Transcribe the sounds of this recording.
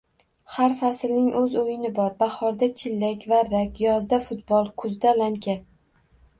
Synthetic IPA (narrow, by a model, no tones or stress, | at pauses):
haɾfasɪlnɪŋʔɵzojɪnɪbɒɾbahɒɾd̪at͡ʃʰɪlːakʲvaɾakʲjɒzd̪afʊt̪̚bɒlˠkʰʊzd̪alaŋkʲʰa